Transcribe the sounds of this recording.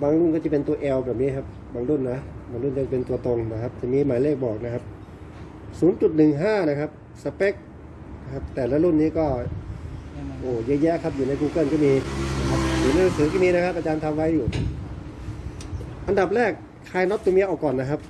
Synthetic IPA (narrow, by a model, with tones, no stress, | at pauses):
baː˧ŋlu˥˩nkɔː˥˩t͡ɕa˨˩pe˧nt̪u˧ɐʔɛː˧wbɛː˨˩p̚niː˦˥˩kʰa˦˥p̚ | baː˧ŋlu˥˩nːa˦˥baː˧ŋlu˥˩nkɔː˥˩t͡ɕpe˧nt̪u˧t̪o˧ŋna˦˧˩kʰa˦˥p̚t͡ɕa˨˩miː˧maː˨˩˦jleː˥˩k̚bɔː˨˩k̚na˦˥kʰa˦˥p̚ | suː˨˦nt͡ɕu˨˩t̪̚nɯ˨˩ŋɦaː˥˩na˦˥kʰa˦˥p̚ | sa˧pe˦˥k̚ | na˦˥kʰa˦˥p̚t̪ɛː˨˩la˦˧˥lu˥˩nːiː˦˥˨kɔː˥˩ | ʔoː˧˩ja˦˧˥jɛ˦˥ʔkʰa˦˥p̚juː˨na˧˥jkuː˧kɤ˥˩˨nkɔː˥˩miː˧a˧kʰa˦˥p̚juː˨˩na˧˥jnɯ˧ŋsɯː˨˦t̪ʰiː˥˩miː˧na˦˥kʰa˦˥p̚ʔa˧t͡ɕaː˧nt̪ʰa˧mwa˦˧˥juː˨˩ | ʔa˧nda˨˩p̚lɛː˥˩k̚ | kʰːaː˧jnɔ˦˥t̪ːo˧mi˧˥˧ʔaː˨˩kɔː˨˩nːa˦˥kʰa˦˥p̚